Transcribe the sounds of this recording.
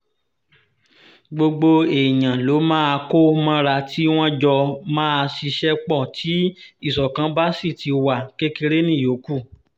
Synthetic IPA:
ɡ͡bo˧ɡ͡bo˧e˨j̃ã˨lo˨˦mãː˦a˧ko˦mɔ̃˦ɾa˧tʰi˦w̃ɔ̃˦d͡ʒɔ˧mãː˦a˧ʃi˧ʃɛ˦k͡pɔ˦˨tʰi˨˦i˦˨sɔ˨kã˨˦ba˦si˦˨ti˧wa˨ke˦ke˧ɾe˦nĩ˦˨jo˨˦ku˦˨

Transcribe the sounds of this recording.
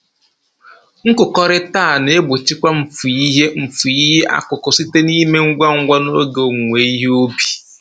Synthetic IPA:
ŋ̩˦kʊ˨kɔ˨ɾɪ˦taː˦˨ne˦ɡ͡bo˨t͡ʃi˦kʷa˦m̩˨fu˨i˦ɦe˦m̩˨fu˨i˦ɦe˦ʔa̰˦˨kʊ˨kʊ˨si˦te˦ni˦me˦ŋ̩˦ɡʷa˦ŋ̩˦ɡʷa˦no˦ɡo˨ŋʷe˨i˦ɦo˦bi̥˨

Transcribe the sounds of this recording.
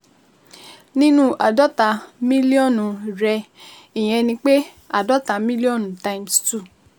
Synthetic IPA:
nĩ˦nũ˦ʔa˨dɔ˦ta˨˦mĩ˦li˦ɔ˦˨nũ˨ɾɛ˧ | i˨j̃ɛ̃˧nĩ˧k͡pe˦ | a˦˨dɔ˨˦ta˨mĩ˦li˦ɔ˦˨nũ˨ta˧ĩ˦mstu˦˨

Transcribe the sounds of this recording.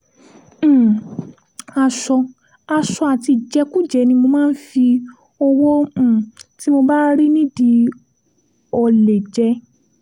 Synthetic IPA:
a˧ʃɔ˧ | a˧ʃɔ˧a˨ti˧˨d͡ʒɛ˨˧ku˦˨d͡ʒɛ˨˦nĩ˧mo˧mãː˦n̩˦fi˧ | ɔ˧wõ˦˨ti˦mo˧ba˦ɾi˦nĩ˦di˧ | ɔ˧˨le˨d͡ʒɛ˨˧˦

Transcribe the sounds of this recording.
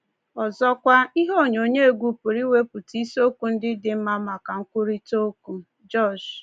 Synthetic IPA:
ɔ˨zɔ˦kʷa˦i˦ɦo˦˨ɲo˨ɲe˦e˨ɡʷu˦pʊ˨ɾi˦we˦pʊ˨ti˦so˦ku˨n̩˦dɪ˦dɪ˨˦m̩˦ma˦ma˨ka˨ŋ̩˦kʷʊ˦ɾi˦to˦ku˦ | d͡ʒɔ˦˨d͡ʒ

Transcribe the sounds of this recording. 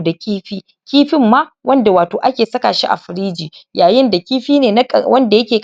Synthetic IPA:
da˨kʲiː˦ɸiː˦ | kʲiː˦ɸɪ˦mːa˦wʔɐ˦nda˨waː˨toː˨ʔa˦kʲeː˨sɐ˦ka̰˨ʃḭ˦ʔa̰˨ɸɪ˨ɾiː˦d͡ʒiː˨jaː˨jɪ˦nda˨kʲiː˦ɸiː˦neː˨na˦˨wɐ˦nda˨jɐ˦kʲeː˨k

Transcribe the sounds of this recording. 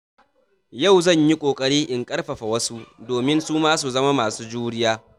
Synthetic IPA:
ja˦˨wzɐ˦˨ɲji˦kʷʼoː˨kʼɐ˦ɽiː˦ʔɪ˨ŋkʼɐ˦ɽɸɐ˨ɸa˨wɐ˦su˦doː˨mɪ˦nsuː˦maː˦su˨zɐ˦ma˦maː˨suː˦d͡ʒuː˦ɽɪ˦jaː˦

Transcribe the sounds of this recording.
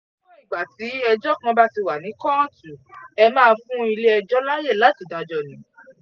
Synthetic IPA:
nĩ˦˨ɡ͡ba˨ti˨˦ɛ˧d͡ʒɔ˦kɔ̃˧˦ba˦ti˧wa˨nĩ˨˦kɔ̃˦tu˨ɛ˧mãː˦˧fũ˦i˧le˦ɛ˧d͡ʒɔ˦la˦je˦˨la˨˦ti˦˨dã˨d͡ʒɔ˧˨nĩ˨˦

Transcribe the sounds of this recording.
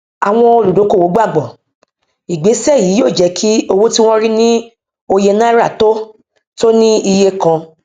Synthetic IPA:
a˨w̃ɔ̃˧o˧lu˨do˨˦ko˦˨wo˨˦ɡ͡ba˦˨ɡ͡bɔ˨ | i˨ɡ͡be˨˦sɛ˦˨ji˨˦joː˦˨d͡ʒɛ˨˧kʰi˦o˧wo˦ti˦w̃ɔ̃˦ɾi˦nĩ˦ | o˧je˧nã˦ɾa˦˨to˦ | to˦nĩ˦i˧je˧kã˧

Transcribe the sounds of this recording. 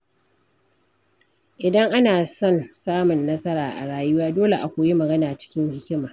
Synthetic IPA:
ʔɪ˨dɐ˦ŋʔa˦naː˨sɔ˦˨nsaː˦mʊ˨nːɐ˦sɐ˦ɾaː˨ʔa̰˨ɽaː˦jʊ˦waː˦doː˦le˨ʔa˨kʷu˨ji˦mɐ˨ɡɐ˦naː˨t͡ʃɪ̥˦kʲɪ˦ŋhɪ˦kʲɪ˦maː˨

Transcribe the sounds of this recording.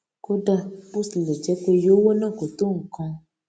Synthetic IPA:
ko˦ɖa˦bu˦sle˨d͡ʒɛ˨˦ko˦jo˨˦wo˦nã˦˨ko˨t̪o˦ŋ̩˨kɔ̃˧

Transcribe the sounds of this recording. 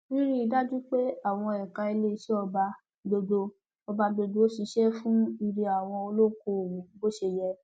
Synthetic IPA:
ɾi˦ɾi˦i˧da˦d͡ʒu˦k͡pe˦a˦˨w̃ɔ̃˧ɛ˨ka˧i˧le˦˧ʃɛ˦ɔ˧ba˧ | do˧do˧ | ɔ˧ba˧do˧do˧o˦ʃi˧˦ʃɛ˦fũ˦i˧ɾi˧a˨w̃ɔ̃˧o˧lo˦ko˧˨wũ˨˦bo˦ʃe˧jɛ˧

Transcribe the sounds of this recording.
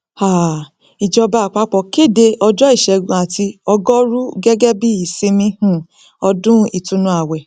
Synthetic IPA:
ha˨ | i˨d͡ʒɔ˧ba˦˨k͡pa˨˦k͡pɔ˧˨ke˦˨de˧ɔ˧d͡ʒɔ˦i˦˨ʃɛ˨ɡũ˧˨a˨ti˧ɔ˧ɡɔ˦ɾu˦ɡɛ˦ɡɛ˦bi˦i˨sĩ˧mĩ˧hũ˨ | ɔ˧dũ˦i˨tũ˧nũ˧˦a˨wɛ˨

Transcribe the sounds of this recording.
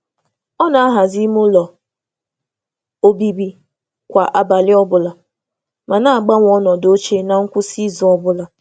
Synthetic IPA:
ɔ˦na˨a˦ɦa˨zi˦m˦o˦lɔ˨ | o˦bi˦bi˦ | kʷa˨ʔa˨ba˨lɪ˦ɔ˦bʊ˨la˨ | ma˨na˦a˨ɡ͡ba˦ŋʷ˨ɔ˦nɔ˨do˦t͡ʃe˦na˨ŋ̩˦kʷʊ˦si˦zu˨ɔ˦bʊ˦la˨

